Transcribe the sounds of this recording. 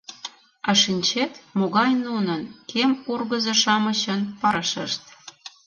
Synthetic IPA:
ɑʃinʲt͡ɕet̪moɣɑjnunənkemurɣəzɤʃɑməɕə̆npɑɾəʃəʃt̪̚

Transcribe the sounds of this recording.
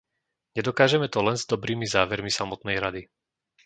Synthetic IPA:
ɲɛd̪ɔkaːʒɛmɛt̪ɔlɛnzd̪ɔbɾiːmizaːʋɛɾmisamɔt̪nɛjɾad̪i

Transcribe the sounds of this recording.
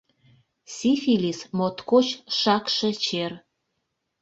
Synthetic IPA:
sʲifilʲismot̪kot͡ɕʃɑkʃĕt͡ɕer

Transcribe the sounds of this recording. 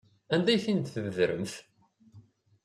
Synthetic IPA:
ænd̪æjθint̪θəvəðɾə̰mθ

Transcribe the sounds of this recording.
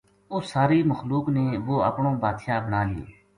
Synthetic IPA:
ʊsaːɾiːməxluːkneːʋoːə̰pɳõːbaːt̪ʃaːbənaːlɪjḛː

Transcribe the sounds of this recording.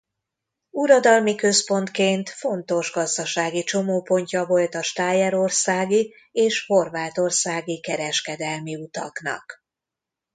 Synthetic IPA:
uɾɒd̪ɒlmikø̞spo̞nt̪keːnt̪fo̞n̪t̪o̞ʒɡɒzd̪ɒʃaːɡit͡ʃo̞moːpo̞ɲcɒvo̞lt̪ɒʃt̪aːjɛɾo̞rsaːɡi | eːʃho̞rvaːt̪o̞rsaːɡikɛɾɛʃkɛd̪ɛlmiut̪ɒ̰knɒ̰k

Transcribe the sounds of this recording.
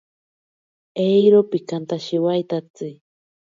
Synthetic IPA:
ejɾopikant̪aʃiwajt̪at͡sɨ

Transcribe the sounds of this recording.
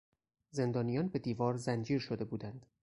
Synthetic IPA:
ze̞nd̪ɒːnijɒːnbe̞d̪iːvɒːɾzænd͡ʒiːɾʃod̪e̞buːd̪ænd̪̥

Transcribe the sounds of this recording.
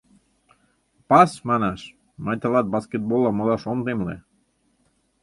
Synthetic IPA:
pɑsmɑnaʃ | mɑjt̪ɑlɑt̪̚basket̪̚bolˠːɑmod̪ˠɑʃond̪emlḛ

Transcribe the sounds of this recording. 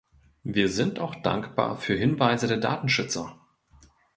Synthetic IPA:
viːɐzɪntaʊxd̥a̰ŋkb̥a̰ːɐfyːɐɦɪnvaɪzədeːɐda̰ːtn̩ʃʏt͡sɐ

